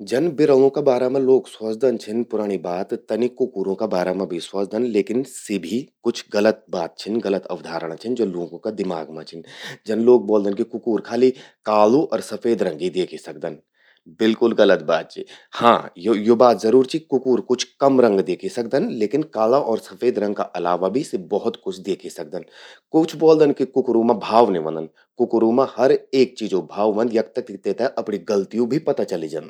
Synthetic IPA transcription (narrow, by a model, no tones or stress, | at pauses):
d͡ʒɐnbɪɾə̃ŋõkabaːɾaːmãloːkswɐsd̪ənt͡ʃʰɪnpʊɾaːɽ̃ibaːt̪ːɐnikʊkuːɾõkabaːɾaːmãbʱiswɐsd̪ənleːkɪnsɪbʱikʊt͡ʃʰɣɐlət̪̚baːt̪̚t͡ʃʰɪnɡɐlət̪ɐ̰ʋd̪ʱaːɾəɽ̃t͡ʃʰɪnd͡ʒɐlõːɡõkad̪ɪma̰ːɡmã̰t͡ʃʰɪnd͡ʒɐnloːk̚boːld̪ənkikʊkuːɾkʰaːlikaːluʔɔːɾsɐfeːd̪ɾɐ̃ŋɡid̪eːkʰisɐk̚d̪ən | bɪlkʊlɡɐlət̪̚baːt̪̚t͡ʃʰḭhã̰ːjojobaːt̪zɐɾuːɾt͡ʃikʊkuːɾkʊt͡ʃʰkɐmɾə̃ŋɡd̪eːkʰisɐk̚d̪ənleːkɪnkaːlãʔɔːɾsɐfeːd̪ɾɐ̃ŋɡ̚ka̰ʔɐla̰ːʋabʱisebɔɦʊt̪kʊt͡ʃʰd̪eːkʰisɐk̚d̪ənkʊt͡ʃʰbɔːld̪ənkikʊkɾumãbʱaːʋniʋɐ̰̃nd̪ə̃n | kʊkɾuːmãhɐɾeːk̚t͡ʃiːd͡ʒobʱaːʋʋə̃nd̪jɐk̚t̪ək̪̚t̪eːt̪aɛʔɐpniɡɐlt̪ijũbʱipɐt̪at͡ʃɐlid͡ʒə̰n